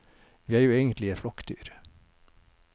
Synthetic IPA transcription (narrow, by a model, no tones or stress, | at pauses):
ʋiːæːɾjuːeːɡənt̪lɪeflɔkd̪ʰy̰ːɾ